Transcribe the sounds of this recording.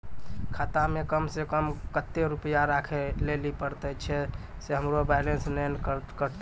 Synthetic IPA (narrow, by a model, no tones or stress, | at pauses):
kʰat̪amekəmsekəmkət̪ːeɾupəjaɾakʰelelipəɾt̪ɛt͡ʃʰɛ | seɦəmɾobajlensnənkkəɾt̪